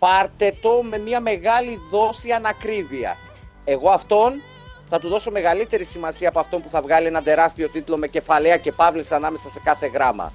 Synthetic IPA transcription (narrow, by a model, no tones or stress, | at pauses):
pɐɾt̪e̞t̪o̞me̞miɐme̞ɣɐliðo̞siɐnɐkɾiviɐ̰s | e̞ɣo̞ɐft̪o̞n | θɐt̪uðo̞so̞me̞ɣɐlit̪e̞ɾisimɐsiɐːpoɐft̪o̞mpuθɐvɣɐlienɐd̪e̞ɾɐst̪io̞t̪it̪ulo̞me̞ce̞fɐleɐce̞pɐvleseɐnɐme̞sɐsekɐθe̞ɣɾɐmɐ̰